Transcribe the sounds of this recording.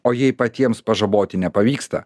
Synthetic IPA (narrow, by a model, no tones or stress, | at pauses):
oːjɛɪpɐt̪ʲiɛmspɐʒɐboːt̪ʲɪnʲɛpɐʋʲiːkst̪ɐ̰